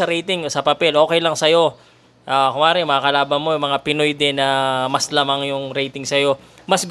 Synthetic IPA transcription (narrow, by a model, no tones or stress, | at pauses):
ɐɾɛjt̪ɪŋosɐpɐpɛlʔo̞ːkɛjlɐŋsɐjo̞ | ʔaːkʊŋaːɾɪŋmɐakɐlaːbɐnmo̞jʊŋmɐŋapɪnojd̪ɛnɐmɐslɐmaŋjʊŋɾɛjt̪ɪŋsɐjo̞mɐsɡ